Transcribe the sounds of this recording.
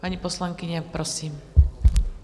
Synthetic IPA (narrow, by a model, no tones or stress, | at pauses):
paɲipɔslaŋkiɲapɾɔsiːm